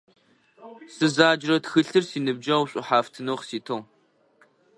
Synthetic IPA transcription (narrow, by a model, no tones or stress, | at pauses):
sɨzaːd͡ʒrɐtxɨɬɨrsiːnɨb̚d͡ʒɐwɕʼʊħaːftʰɨnoːχsiːtʰoʁ